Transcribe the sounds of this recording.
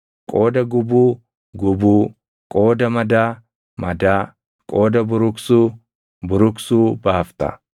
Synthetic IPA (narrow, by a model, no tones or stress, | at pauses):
kʼo̞ːd̪ɐɡʊbuː | ɡʊbuː | kʼo̞ːd̪ɐmɐd̪aː | mɐd̪aː | kʼo̞ːd̪ɐbʊɾʊksuː | bʊɾʊksuːbaːft̪ɐ̰